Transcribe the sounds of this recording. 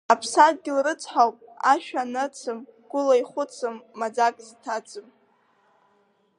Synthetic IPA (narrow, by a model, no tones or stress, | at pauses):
apʰsad̚ɡʲɪlrɨt͡sʰħawpʼaʃᶣanɨt͡sʰɨmɡ̥ʷʊlaiχʷʊt͡sʰɨmːad͡zakʼztʰad͡zʼɨm